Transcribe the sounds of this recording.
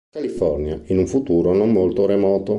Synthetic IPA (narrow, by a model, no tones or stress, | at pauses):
kalifɔrnjainuɱfut̪uːɾonomːolt̪oɾemɔːt̪o